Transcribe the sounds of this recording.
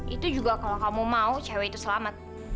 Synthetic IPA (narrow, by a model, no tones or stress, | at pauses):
ʔit̪ud͡ʒuɡakalakamumaut͡ʃawait̪usəlamat̪̚